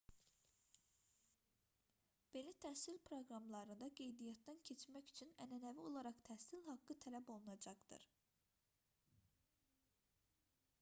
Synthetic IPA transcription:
b̥e̞nit̪ʰæhsilpʰɾo̞ɡɾɑmlˠɑɾɯnd̪ɑɡe̞jd̪ijɑt̪̚ːæncʰe̞t͡ʃmæcyt͡ʃʰynænænævio̞lˠɑɾɑχt̪ʰæhsilhɑɡːɯt̪ʰælæbo̞lˠunɑd͡ʒɑχd̪ɯ̰ɾ

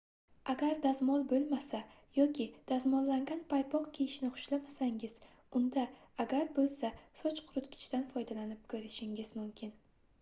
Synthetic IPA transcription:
aɡʲaɾd̪azmɒlbolˠmasa | jɒkʲɪd̪̥azmɒnlaŋɡʲanpʰajpʰɒqkʲʰejɪʃnɪχʊ̥ʃlamasaŋɪz̥ | ʊnd̪aː | ɡʲaɾbolˠsasɒt͡ʃqʰʊɾʊt̪ɡʲɪ̥t͡ʃt̪anfɒjd̪alanɪp̚kʰɵɾɪʃɪŋɪz̥mʊmkʲʰɪn

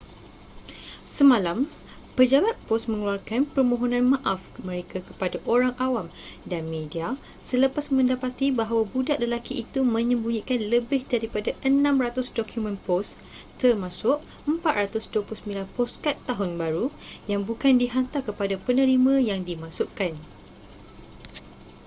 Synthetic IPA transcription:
səmãlam | pəd͡ʒabat̪̚pɔsmə̃ŋluarkanpərmõɦonãnmãʔafmə̃ɾekakə̥padaʔoɾaŋʔawamdanmẽdia | sələpasmə̃ndapat̪ibaɦawabudaʔ̚ləlakiʔːt̪umə̃ɲə̃mbuɲikanləbɪhdaɾipadaʔənãmrat̪ʊsdokʰjumə̃npɔs | t̪ərmãsʊʔ | əmpat̪̚ɾat̪ʊsduəpulʊsəmbilanpɔskat̪ːaɦʊnbaɾujaŋbukandiɦant̪akəpadapənə̃ɾimãjaŋdimãsʊʔkan

